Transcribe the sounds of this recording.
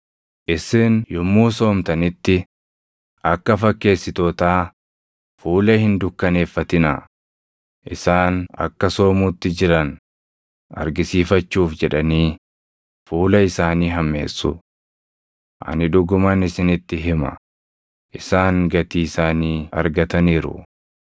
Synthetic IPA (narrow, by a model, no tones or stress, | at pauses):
ʔɪsɪnjʊmːuːso̞ːmt̪ɐnɪt̪ːɪ | ʔɐkːɐfɐkːe̞ːsːɪt̪oːt̪aː | fuːlɐhɪnd̪ʊkːɐne̞ːfːɐt̪ɪna̰ | ʔɪsaːnɐ̰kːɐso̞ːmuːt̪ːɪd͡ʒɪɾɐn | ɐ̰ɾɡɪsiːfɐt͡ʃːuːfd͡ʒɛᶑɐniː | fuːlɐɪsaːniːɦɐmːe̞̰ːsːʊ | ʔɐ̰nɪᶑʊɡʊmɐnɪsɪnɪt̪ːɪɦɪmɐ̰ | ʔɪsaːŋɡɐt̪iːsaːniːɐ̰ɾɡɐt̪ɐniːɾʊ̰